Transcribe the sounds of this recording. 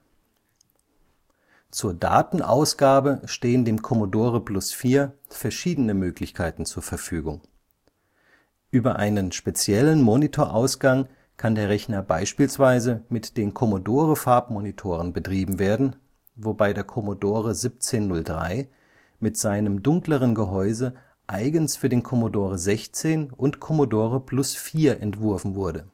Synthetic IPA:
t͡suːɐda̰ːtn̩ʔa̰ʊsɡ̥aːbəʃteːəndeːmkʰɔmodoːʁəplʊsfiːɐfɛɐʃiːdənəmøːklɪçkʰaɪtn̩t͡suːɐfɛɐfyːɡʊŋ | ʔyːbɐʔa̰ɪnənʃpet͡sjɛlənmonitʰoːɐʔaʊsɡ̥aŋ | kʰandeːɐʁɛçnɐbaɪʃpiːlsv̥aɪzəmɪtd̥eːnkʰɔmodoːʁəfaɐpmonitʰoːʁənbətʁ̥iːbm̩veːɐdn̩ | vobaɪdeːɐkʰɔmodoːʁ̞əzɪp̚t͡seːnːʊldʁa̰ɪ | mɪtz̥aɪnəmdʊŋkləʁ̞ənɡəɦɔʏzə | ʔaɪɡənsfyːɐdeːnkʰɔmodoːʁ̞əzɛçt͡seːnʔʊntkʰɔmodoːʁəpʰlʊsfiːɐʔɛntv̥ʊɐfn̩vʊɐdə

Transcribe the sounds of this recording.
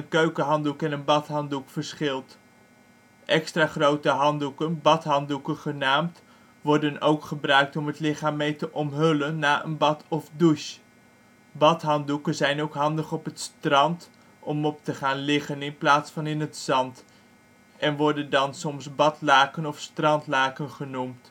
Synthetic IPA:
ənkøɥkəɦɑndukɛnənbɑtɦɑndukfəɹsχɪlˠt | ʔɛkstraːχrowtəɦɑndukənbɑtɦɑndukəχənaːmt | ʋɔɹdənowkχəbrœɥk̚tɔmətlɪχaːmːejtəʔɔmɦɵlənːaːʔə̰nbɑtɔfduʃ | bɑtɦɑndukənzɛjnowkɦɑndəχɔpətstrɑnt | ɔmɔp̚təχaːnlɪχənɪnplaːtsfɑnɪnətsɑnt | ɛnʋɔɹdəndɑnsɔmsbɑtlaːkənɔfstrɑntlaːkənχənumt

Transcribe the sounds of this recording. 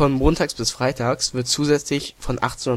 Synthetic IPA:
fɔnmoːntʰaːksb̥ɪsfʁ̥aɪtʰaːksv̥ɪɐtt͡suːzɛt͡slɪçfɔnʔa̰χtenʊ

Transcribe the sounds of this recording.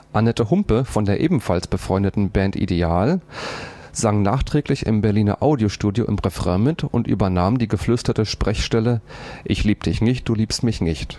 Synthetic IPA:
ʔanɛtəhʊmpəfɔndeːɐʔeːbm̩falsb̥əfʁ̥ɔʏndətn̩bɛːntʔḭdeaːl | z̥aŋnaːχtʁ̥ɛːklɪçɪ̰mbɛɐliːnɐ̰ʔaʊdjoʃtuːdjoʔɪ̰mʁɛfʁɛmɪtʊntʔy̰ːbɐnaːmdiːɡəflʏstɐtəʃpʁ̥ɛçʃtɛləʔɪçliːbəd̥ɪçnɪçt̚d̥uːliːpstmɪçnɪçt

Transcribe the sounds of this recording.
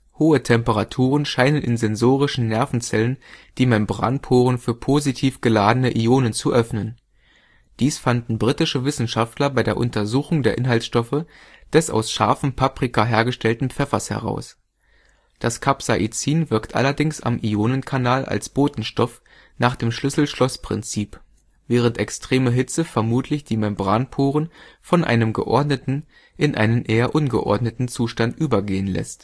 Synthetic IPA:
hoːətʰɛmpəʁatʰuːʁənʃaɪnənɪ̰nzɛnzoːʁ̞ɪʃn̩nɛɐfn̩t͡sɛlənd̥iːmɛmbʁa̰npʰoːʁ̞ənfyːɐpʰoːzitʰiːfɡ̥əlaːdənəʔioːnənt͡suʔœfnən | d̥iːsfandn̩bʁitɪʃəvɪsn̩ʃaftlɐbaɪdeːɐʔʊ̰ntɐzuːxʊŋdeːɐʔɪnɦaltsʃtɔfə | d̥ɛsʔa̰ʊsʃaɐfm̩pʰapʁ̥ikʰaɦeːɐɡəʃtɛltn̩pp͡fɛfɐshɛ̰ʁ̞a̰ʊs | d̥askʰapsaʔit͡siːnvɪɐktʰʔa̰lɐdɪŋsa̰mʔioːnənkʰanaːlʔa̰lsb̥oːtn̩ʃtɔf | naːχd̥eːmʃlʏsl̩ʃlɔspʁ̥ɪ̰nt͡siːp | vɛːʁ̞əntɛkstʁ̥eːməɦɪt͡səfɛɐmuːtʰlɪçd̥iːmɛmbʁaːnpʰoːʁənfɔnʔa̰ɪnəmɡəʔɔɐdnətn̩ | ʔɪnʔa̰ɪnənʔeːɐʔʊnɡə̰ʔɔ̰ɐdnətn̩t͡suːʃtantʔyːbɐɡeːənlɛ̰st

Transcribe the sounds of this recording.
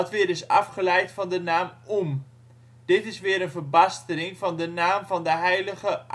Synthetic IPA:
ɑtʋɪːɾɪsɑ̰fχəlɛjtfɑndənaːmum | d̥ɪtɪsʋɪːəɾənvərbɑstənɪŋvɑndənaːmvɑndəɦɛjləχəʔ

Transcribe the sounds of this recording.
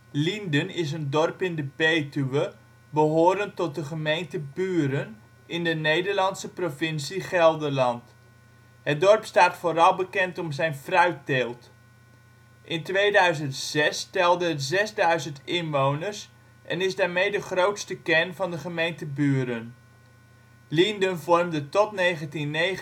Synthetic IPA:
lindənɪs̬əndɔrpɪndəbeːtyʋə | bəɦoːɾəntɔt̚dəχəmejntəbyːɾən | ɪndənejdəɹlɑnsəprofɪnsiχɛlˠdəɹlɑnt | ɦədɔrpstaːtfoːɾɑlˠbəkɛntɔmzɛjnfrœɥtelˠt | ʔɪntʋejdœɥzəntsɛstɛlˠdəzɛzdœɥzəntɪnʋownəɹs | ʔɛ̰nɪzdaːɹmejdəχrowtstəkɛnvɑndəχəmejntəbyːɾən | lindənvɔrmdətɔtnejχəntinːe

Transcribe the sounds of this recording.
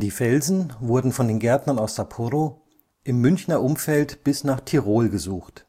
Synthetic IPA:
d̥iːfɛlzn̩vʊɐdn̩fɔndeːnɡɛɐtnɐnaʊsz̥apʰuɾo | ʔɪmːʏnçnɐʔʊmfɛltb̥ɪsnaːχtʰiʁoːlɡəzuːxt

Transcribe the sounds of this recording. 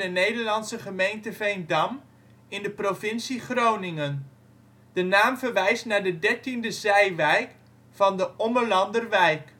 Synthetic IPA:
ənejdəɹlɑnsəχəmejntəvɛjndɑm | ɪndəprofɪnsiχrownɪŋən | d̥ənaːmvəɹʋɛjstnaːɹdədɛɹtindəzɛjʋɛjk | fɑndəʔɔməɹlɑndərʋɛjk

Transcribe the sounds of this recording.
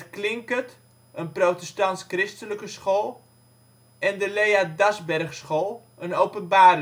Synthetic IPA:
tklɪŋkət | ənprotɛstɑntskrɪstələkəsχoːlˠ | ɛndəlejadasbɛrχsχolˠ | ənowpənbaːr

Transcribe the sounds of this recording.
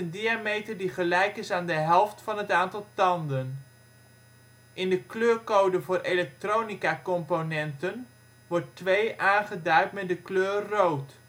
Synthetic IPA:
əndiamejtəɹdiχəlɛjkɪsaːndəɦɛlˠftfɑnɦətaːntɑlˠtɑndən | ʔɪndəkløːrkowdəvʊːɾʔelɛk̚trownikakɔmponɛntən | ʋɔrtʋejʔaːnχədœɥtmɛt̚dəkløːowt

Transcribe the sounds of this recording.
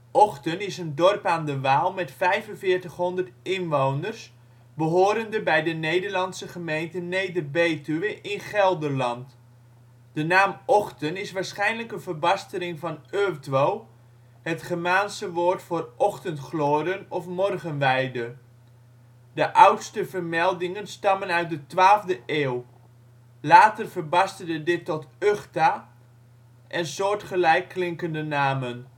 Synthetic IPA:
ʔɔχtənɪsəndɔrpaːndəʋaːlˠmɛtfɛjvənvɪːɹtəχɦɔndərtɪnʋownərs | bəɦoːɾəndəbɛjdənejdərlɑnsəχəmejntənejdərbejtyʋəʔɪnχɛlˠdərlɑnt | d̥ənaːmɔχtənɪsʋaːɹsχɛjnləkənvərbɑstəlɪŋvɑnøːrtʋoː | hətχəmaːnsəʋoːtfoːrʔɔχtəntχloːɾənɔfmɔrɣənʋɛjdə | dəʔawtstəvərmɛlˠdɪŋənstɑmənœɥt̚dətʋaːlˠvdəʔeːw | laːtərvərbɑstərdədɪtːɔtøχta | ʔɛnsoːɹtχəlɛjkːlɪŋkəndənaːmən

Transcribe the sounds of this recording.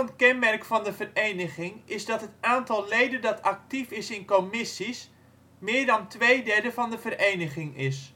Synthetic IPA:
ənkɛnmɛrkfɑndəvərejnəχɪŋɪzdɑtɦətaːntɑlˠlejdəndɑtʰɑk̚tifɪsɪnkomɪsis | mɪːɹdɑntʋejdɛɹdəvɑndəvərejnəχɪŋɪs

